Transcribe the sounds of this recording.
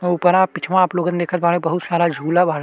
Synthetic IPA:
upɐɾapɪt͡ʃʰʋãːploːɡənd̪eːkʰat̪baːnebɐɦʊt̪saːɾad͡ʒʱuːlabʱaːɾ

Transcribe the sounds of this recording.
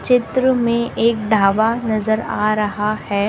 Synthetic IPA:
t͡ʃɪt̪ɾəmẽʔeːk̚ɖʱaːʋanɐzəɾa̰ːɾɐɦahɛː

